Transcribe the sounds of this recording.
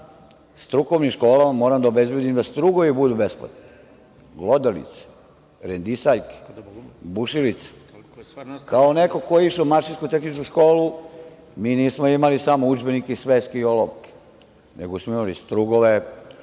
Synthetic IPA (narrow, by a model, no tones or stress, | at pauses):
st̪ɾukoʋniʃkoːlamamoːɾamd̪aobe̞zbjed̪imd̪ast̪ɾuːɡoʋibud̪ubespla̰t̪ni | ɡlod̪elḭt̪se̥ | ɾend̪isaʎke̥buʃilit̪se̥ | kaoneko̞kojeiʃeumaɾʃinskut̪e̞xnit͡ʃkuʃko̞ːlu | miːniːsmoimalisamoud͡ʒbenikeisʋeːskeioloʋke̥ | nḛɡosmoimalḭst̪ɾuːɡoʋe